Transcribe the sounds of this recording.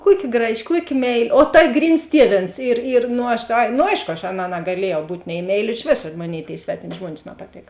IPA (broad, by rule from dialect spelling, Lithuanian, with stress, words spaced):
ˈkuɔˌkʲɪ ˈɡrɑːˌʒʲɪ ˈkuɔˌkʲɪ ˈmʲɛɪˌlʲɪ oː tɐ ˈɡrʲiːns ˈtʲiɛˌʋʲeːns ɪr ɪr noː ˈɐʃ ɐɪ noː ˈɐɪʃkoː ɐʃ ˈɑːˌnɑː nɐɡɐˈlʲiɛjɛʊ ˈbuːtʲ nʲɛɪ ˈmʲɛɪˌlʲɪ ɪʃ ˈʋʲeːsɐ ˈmoːˌnʲeːɪ tʲeːɪ ˈsʲʋʲæːtʲɪmʲɪ ˈʒmuɔnʲɪs nɐpɐˈtʲeːk